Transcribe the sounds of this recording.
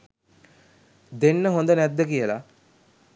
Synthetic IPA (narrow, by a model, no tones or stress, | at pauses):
d̪enːəɦond̪ənæd̪ːəkijəla